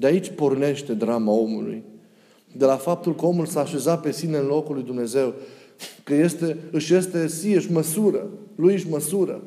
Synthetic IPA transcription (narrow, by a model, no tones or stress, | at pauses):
d̪eait͡ʃʲporne̞ʃt̪e̞d̪ɾamao̞mṵlṵj | d̪e̞lafap̚t̪ulkəo̞mulsaːʃe̞zape̞sineɨnlo̞kulːujd̪umne̞ze̞wkəje̞st̪e̞ɨʃje̞st̪e̞siɨʃʲməsuɾəlujɨʃʲməsuɾə̰